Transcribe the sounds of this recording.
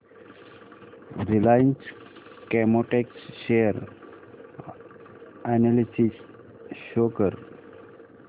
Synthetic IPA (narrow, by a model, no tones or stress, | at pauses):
ɾilajnskemoʈeksʃeəɾ | ɛnelisis | ʃoːkəɾ